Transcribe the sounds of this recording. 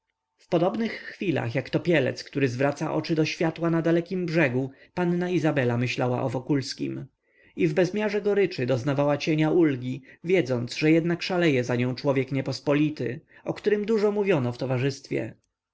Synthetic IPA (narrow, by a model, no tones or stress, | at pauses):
fpɔd̪ɔbnɘxːfʲila̰xjakt̪ɔpʲjɛlɛ̰t̪skt̪uɾɘzvɾat̪saʔɔ̰t͡ʂɘd̪ɔɕfʲjat̪wanad̪alɛkʲimbʐɛɡupanːaizabɛlamɘɕlawa̰ʔɔvɔkulskʲḭm | ivbɛzmʲjaʐɛɡɔɾɘt͡ʂɘd̪ɔznavawat͡ɕeɲaʔulɡʲivʲjɛd̪zɔnd̪zʐɛjɛd̪nakʂalɛjɛzaɲɔ̃w̃t͡ʂwɔvʲjɛkɲɛpɔspɔlʲit̪ɘɔkt̪uɾɘmd̪uʐɔmuvʲjɔnɔft̪ɔvaʐɘst̪fʲjɛ̰